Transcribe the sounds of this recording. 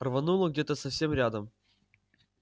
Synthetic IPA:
rvɐnulˠəɡdʲet̪əsɐfsʲe̞mɾʲad̪əm

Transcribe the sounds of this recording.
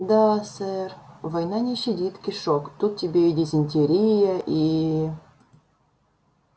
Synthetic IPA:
d̪asɛrvɐjnanʲɪɕːɪdʲit̪kʲɪʂokt̪ut̪̚ʲtʲːɪbʲeidʲɪzʲɪnʲtʲɪɾʲijəʔi

